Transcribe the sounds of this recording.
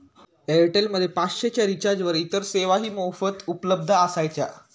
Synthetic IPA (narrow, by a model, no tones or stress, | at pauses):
eɾʈelməd̪ʱːjepasɕet͡ɕjaɾit͡ɕaɾd͡ʑʋəɾit̪əɾseʋaɦiːmowfət̪upələb̚d̪ʱəəsajt͡ɕja